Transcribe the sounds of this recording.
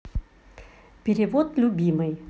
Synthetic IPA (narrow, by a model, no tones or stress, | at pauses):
pʲeɾʲɪʋot̪lʲubʲiːmɐj